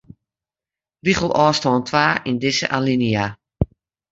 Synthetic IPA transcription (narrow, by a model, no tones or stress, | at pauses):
biχəlˠʔɔːstɔːntʰʋaːʔɪndɪsə̰ʔalinia